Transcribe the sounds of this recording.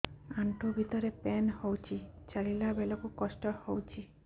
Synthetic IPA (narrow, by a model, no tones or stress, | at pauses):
aɳʈubʱit̪ɔɾepɛnhowt͡ʃʰit͡ʃaɭilabelɔkukɔsʈɔhowt͡ʃʰi